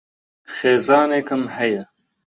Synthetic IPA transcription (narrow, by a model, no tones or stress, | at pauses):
xeːzɑːneːkɨmhɛjɐ